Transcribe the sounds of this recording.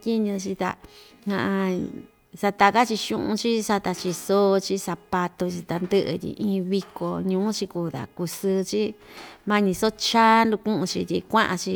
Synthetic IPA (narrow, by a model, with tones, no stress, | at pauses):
t̪ʲi˦ɲũ˧t͡ʃi˧t̪a̰˧ | hã̰˧ʔã˧ | sa˧t̪a˧ka˦t͡ʃi˧ʃṵ̃˦ʔṵ̃˧t͡ʃi˦sa˧t̪a˧t͡ʃi˧so˦˧t͡ʃi˦sa˧pa˧t̪o˧t͡ʃi˧t̪a˧nd̪ɨ˦ʔɨ̰˧t̪ʲḭ˧ʔĩː˧˦˧βi˧ko˧˨ɲũː˧˦t͡ʃi˧ku˧t̪a̰˨ku˧sɨ˧t͡ʃi˦mã˦ɲĩ˧so˦t͡ʃaː˦nd̪u˧kũ˦ʔũ˧t͡ʃi˧t̪ʲi˧kʷã˦ʔã˧t͡ʃi˧